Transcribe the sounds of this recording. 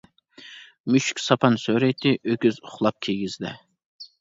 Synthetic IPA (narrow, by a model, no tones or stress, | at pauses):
myʃkʲsɑpʰɑnsøɾɛjt̪ʰɪʔøkʲyzʊχlˠɑp̚kʲʰeɡʲizlɛ